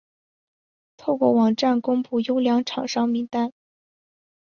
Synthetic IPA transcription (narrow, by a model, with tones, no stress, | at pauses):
t̪ʰo˥˧ʊkwɔ˥˩wɑ˨˩ŋʈ͡ʂa˥˩nkʊ˥ŋpu˥˩jo˥ʊljɑ˧˥ŋʈ͡ʂʰɑ˨˩ŋʂɑ˥ŋmi˧˥ŋt̪a˥n